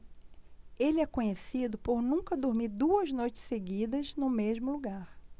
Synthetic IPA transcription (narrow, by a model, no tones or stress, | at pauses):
elɪɛkõɲesid̪ʊpoɾnũkɐd̪oɾmiɾd̪uɐznojt͡ʃɪ̥seɡid̪ɐznʊmeʒmʊluɡaɾ